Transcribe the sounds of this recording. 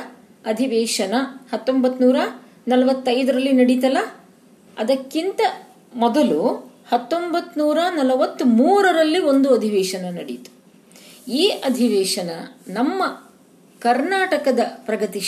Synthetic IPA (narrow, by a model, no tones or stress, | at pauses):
ɐd̪ʱiʋɛːʂɐnɐhɐt̪ːombɐt̪ːnuːɾɐ | nɐlɐʋɐt̪ːɐjd̪ɐɾɐlːinɐɽit̪ɐlɐ | ɐd̪ɐkːint̪ɐ | mɔd̪ɐlu | hɐt̪ːombɐt̪ːnuːɾɐnɐlɐʋɐt̪ːumuːɾɐɾɐlːio̞nd̪uɐd̪ʱiʋɛːʂɐnɐnɐɽḭt̪u̥ | iːʔɐd̪ʱiʋɛːʂɐnɐ̰nɐmːɐ | kɐɾnaːʈɐkɐd̪ɐpɾɐɡɐt̪i